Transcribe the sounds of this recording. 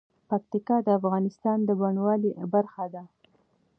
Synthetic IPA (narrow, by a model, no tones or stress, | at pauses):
pak̚t̪ikɑd̪əafɣɑnɪst̪ɑnd̪əbaɳwɑlibaɾxad̪a